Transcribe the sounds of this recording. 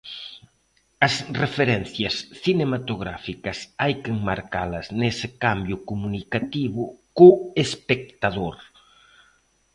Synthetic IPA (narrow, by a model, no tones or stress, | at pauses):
ɐsrefeɾɛnθjɐsθinemat̪oɣɾa̰fikɐsajkeŋmaɾkalɐznesɪkambjʊkumunikat̪iβʊkoespek̚t̪aðoɾ